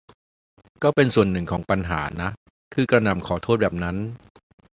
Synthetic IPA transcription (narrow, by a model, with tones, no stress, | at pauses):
kɔː˥˩pe˧nsu˨˩ənːɯ˨˩ŋkʰɔː˩˦ŋpa˧nɦa̰ː˩˦na˦˥ | k̪ʰɯː˧kɾa˧na˨˩mkʰɔː˩˦t̪ʰoː˥˩t̪̚bɛː˨˩p̚na˦˥n